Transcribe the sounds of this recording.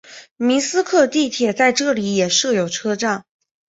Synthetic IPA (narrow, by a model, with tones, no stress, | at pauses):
mi˧˥sɹ̩˥kʰɤ˥˧t̪i˥˩t̪ʰjɛ˨˩t͡sa˥˧ɪʈ͡ʂɤ˥˩li˨˧˥jɛ˨˩ʂɤ˥˩jo˨˩ʊʈ͡ʂʰɤ˥ʈ͡ʂɑ˥˩ŋ